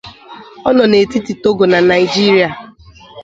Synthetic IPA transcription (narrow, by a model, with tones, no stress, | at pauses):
ɔ˦nɔ˨ne˨ti˦ti˨to˦ɡo˨na˨na˨ɪ˨d͡ʒi˦ɾi˦a˨